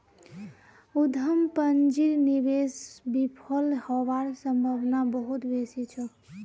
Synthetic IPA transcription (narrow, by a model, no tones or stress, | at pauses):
ud̪ʱəmpənd͡ʒiɾniʋesbipʰəlhɔʋaɾsəmbʱəbnabəɦut̪besit͡ʃʰɔ